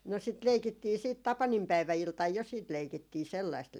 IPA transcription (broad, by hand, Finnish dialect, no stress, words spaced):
no sit leikitːiː siːt tɑpɑnimpæiʋæiltɑj jo siːt leikitːiː selːɑist